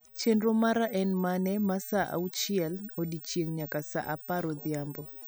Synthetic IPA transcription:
t͡ʃendɾomaɾaʔɛnmanɛmasaʔa̰ut͡ʃɪɛlodit͡ʃjeŋɲakasa̰ʔapaɾɔd̪jambɔ

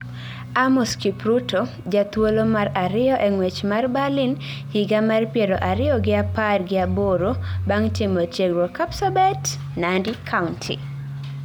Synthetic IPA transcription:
amɔskipɾutʰo | d͡ʒat̪wolomaɾaɾɪɔʔeŋwet͡ʃmarbalɪn | hiɡamarpjeɾoʔaɾɪɔɡɪaparɡɪaboɾobaŋtɪmotjeɡɾokapsabɛt | nandikʰaʊntʰḭ

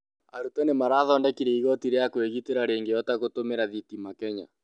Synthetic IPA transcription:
a̰ɾutɛnemaɾaːðɔːndɛkiɾɛiɣɔtiɾeakweɣiteɾaɾeːŋɡejɔtaɣotomeɾaðitimakɛɲa̰

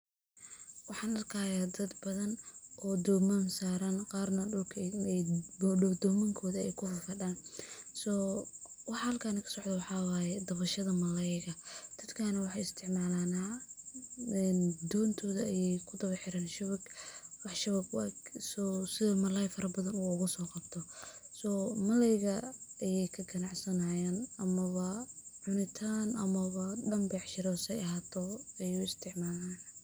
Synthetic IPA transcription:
wɑħɑːnɐrkʰaːjaːd̪ɐd̪bɐðɐnʔɔːd̪ɔːmansaːɾanqɑːrnɐɖʊlkʰɛɔd̪ɔːmɐŋkʰɔːðɐɛjkʰʊɦɔrfɐɖaːnsɔː | wɑħɑhɐlkʰaːnɐkʰɐ̥sɔʕd̪ɐwɑħɑːwɑːjɛd̪ɐβɐʃɐðɐmɐlɛjɣɐd̪̥ɐd̪kʰaːnɐwɑħɑɪst̪ʰɪʕmaːlaːnaː | ɛnd̪ɔːnt̪ʰɔːðɐɐjɛjkʰʊd̪ɐβɐħɪɾaːnʃʊβɐɡwɑħʃɐβɐɡ̰ɡsɔsɪðɔmɐlɛjfɐɾɐbɐðɐnuʊɣʊsɔːqɑbt̪ʰɔsɔːmɐlɛjɣɐɐjɛjkʰɐɡɐnɑʕsɐnajaːnɐmɐβɐʕʊnɪt̪ʰaːnʔɐmɐβɐɖɐmbɛʕʃɪɾɔsɛjɐɦaːt̪ʰɔɛjuːɪst̪ʰɪʕmaːlaːn

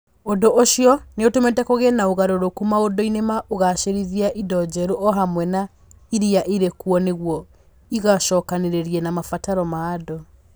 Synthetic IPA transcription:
odoʔoɕjɔneotometɛkoɣenaoɣaɾoɾokumaodoinemaʔoɣaʃeɾiðiaʔidɔd͡ʑɛɾoʔɔɦamwɛna | iɾiaʔiɾekwɔneɣwɔ | iɣaʃɔːkaneɾeɾiɛnamafataɾɔmaːdɔ

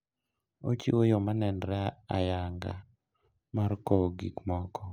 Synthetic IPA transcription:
ot͡ʃḭwojɔmanɛnɾɛajaŋɡa̰ | markɔɡikmɔkʰɔ

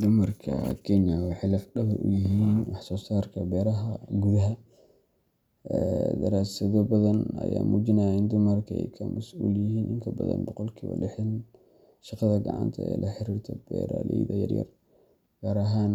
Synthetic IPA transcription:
d̪ʊmɐrkʰɐ̰kʰɛnjɐwɑħɪjlɐfɖɐβɐʔʊjɪɦiːnwɑħsɔːsaːrkʰɐbɛːɾɐɦɐɡuðɐɦɐ | ɛd̪ɐɾaːsɐðɔbɐðɐnɐ̰jaːmuːd͡ʒɪnaːjɪnd̪ʊmɐrkʰɐɛjkʰɐmɐsʔuːljɪɦiːnʔɪŋkʰɐbɐðɐ̰nbɔqɔlkʰiːβɐ̰lɪħɪn | ʃɪqɑðɐɡɑ̰ʕɑ̰nt̪ʰɐɛ̰ːlʔɐħɪɾiːrt̪ʰɐbɛːɾalɛ̰jðɐjɐ̰rjɐ̰r | ɡ̥aːɾɐɦaːn

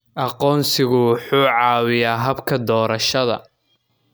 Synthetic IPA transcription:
ʔɑqɔːnsɪɣʊwʊħuːʕɑːwɪjaːɦɐbkʰɐd̪ɔːɾɐʃɐðɐ̰

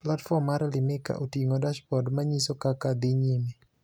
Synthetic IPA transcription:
platfɔmːaɾlɪmɪka̰ʔotiŋodaʃpɔdmaɲisokakad̪ɪɲeme

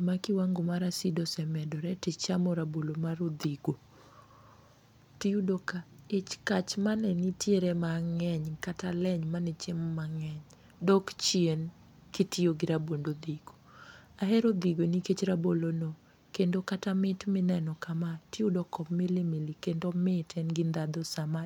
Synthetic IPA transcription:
makɪwaŋɡomaɾasidɔsɛmɛdɔɾɛtɪt͡ʃamɔɾabolomaɾod̪iɡo | tiudokaɪt͡ʃkat͡ʃmanɛnitjeɾɛmaŋɛɲkatalɛɲmanɛt͡ʃemːaŋɛɲ | dɔkt͡ʃien | kitioɡɪɾabondod̪iɡ̥o̥ | aɦɛɾod̪iɡoniket͡ʃɾabolono | kendokatamɪtmɪnɛnɔkamatiudɔkɔpmɪlɪmilikendomɪtʰɛnɡɪnd̪ad̪ɔsama

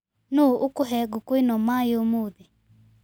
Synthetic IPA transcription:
noʔokʊɦɛɡokwenɔmajomoði

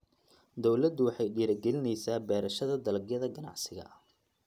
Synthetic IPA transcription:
d̪ɔwlɐd̪ʊwɑħɑjɖiːɾɐɡɛlɪnɛjsaːbɛːɾɐʃɐðɐd̪ɐlɡjɐðɐɡɐnɑ̰ʕsɪɣɐ̰

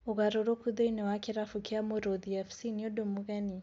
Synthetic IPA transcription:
oɣaɾoɾokuðeinɛwakeɾafukeamoɾoðiɛfsiniodomuɣɛni

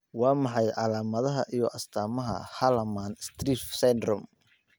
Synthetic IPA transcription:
wɑːmɑħɑjʕɑlaːmɐðɐɦɐʔijɔʔɐst̪ʰaːmɐɦɐ̰hɐlɐmaːnst̪ʰriːfsɛnd̪rɔm

